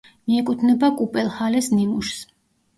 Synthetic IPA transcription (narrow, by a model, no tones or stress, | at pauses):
miɛkʼut̪ʰnɛbakʼupʼɛlˠhalɛsnimuʃs